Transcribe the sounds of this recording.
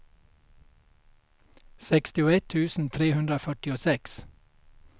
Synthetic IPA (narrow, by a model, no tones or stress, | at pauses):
sɛkst̪ɪoːɛt̪ʰʉːsn̩t̪ʰɾeːhʉnd̪ɾəoːfœʈɪoːsɛks